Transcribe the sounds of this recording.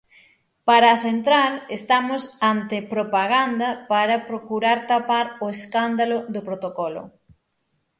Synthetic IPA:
paɾaːθent̪ɾalest̪amʊsant̪ɪpɾopaɣand̪ɐpaɾɐpɾokuɾaɾt̪apaɾoeskand̪alʊðʊpɾot̪okɔlʊ̰

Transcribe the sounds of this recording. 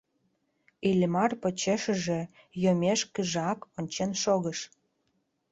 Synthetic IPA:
ilʲmɑrpot͡ɕeʃə̆ʒĕ | jomʲeʃkəʒɑkonʲt͡ɕenʃoɣə̆ʃ

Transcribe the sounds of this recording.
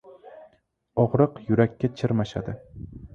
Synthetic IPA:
ɒʁɾɨqjʊɾakʲʰːat͡ʃʰɪɾmaʃa̰d̪ɪ

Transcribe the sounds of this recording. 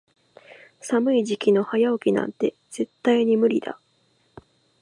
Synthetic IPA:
samɯ̟iʑikʲino̞hajaokʲinã̰nt̪e̞ | z̥e̞t̪ːaiɲ̟imɯ̟ɾʲid̪̥a̰

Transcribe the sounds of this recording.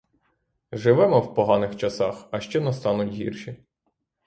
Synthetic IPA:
ʒɪʋɛmɔwpɔɦɑnɪxt͡ʃɐsɑxɐʃt͡ʃɛnɐst̪ɑnʊtʲɦʲḭrʃi

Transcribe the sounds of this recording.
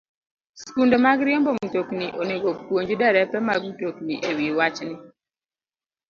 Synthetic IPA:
skundomaɡɾiɔmbɔmutokniʔoneɡopwoɲd͡ʒdɛɾɛpɛmaɡutokniʔewiwat͡ʃnɪ

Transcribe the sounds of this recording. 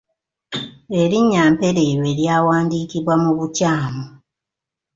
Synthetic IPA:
eɾiɲːaːmpe̞ɾeɾwe̞ljaːwaːndiːkiβwamuβucaːmo

